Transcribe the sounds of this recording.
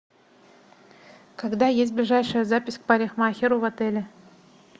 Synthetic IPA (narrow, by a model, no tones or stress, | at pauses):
kɐɡd̪ajes̬ʲt̚ʲblʲɪʐajʂəjəzapʲɪsʲk̚paɾʲɪxmaxʲɪɾʊvɐt̪ɛlʲɪ